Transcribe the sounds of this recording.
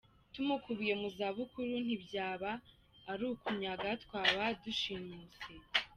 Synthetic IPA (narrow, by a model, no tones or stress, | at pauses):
tumukuβujemuzaβukʰuɾun̥ibjaːβaː | ɾuːkuɲaɡatkwaːβaduʃiɲut͡se